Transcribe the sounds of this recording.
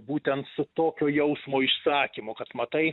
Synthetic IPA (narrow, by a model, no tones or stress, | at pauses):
buːt̪ʲɛnt̪sʊt̪oːkʲoːjɛʊsmoːɪʃsɑːkʲimʊkɐt̪mɐt̪ɐɪ